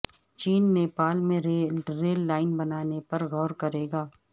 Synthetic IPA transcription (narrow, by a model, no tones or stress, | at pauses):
t͡ʃiːnneːpaːlmẽɾeɾeːlːaːɪnbɐnaːnepɐɾɣɔːɾkɐɾeːɡaː